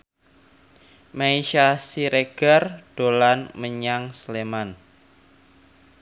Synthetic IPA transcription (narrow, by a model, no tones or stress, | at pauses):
maiʃasiɾeɡ̥ard̥olanməɲaŋsleman